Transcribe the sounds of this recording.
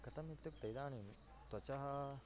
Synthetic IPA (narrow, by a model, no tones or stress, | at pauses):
kɐt̪ɐmit̪ːupt̪ɐjd̪aːnin | t̪wɐt͡ʃɐɦɐ